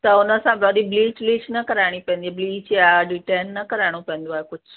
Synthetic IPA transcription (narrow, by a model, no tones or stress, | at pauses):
t̪ɐʊnəsãbɾɔːɗibliːt͡ɕliːt͡ɕnɐkɐɾaːɪɽ̃ipɐ̃ːnd̪iabliːt͡ʃaɖɪʈeːnːɐkɐɾaɪɽ̃opɐ̃ɦə̃nd̪oaːɦekʊd͡ʑʱʊ